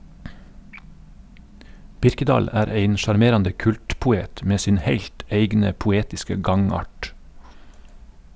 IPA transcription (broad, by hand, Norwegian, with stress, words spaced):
ˈbɪɾkəˌdɑːl ˈæːɾ ˈeɪn ʃɑɾˈmeːɾɑndə ˈkʉltpʊˌeːt ˈmeː ˈsɪn ˈheɪʎt ˈeɪɡnə pʊˈeːtɪskə ˈɡɑŋˌɑːʈ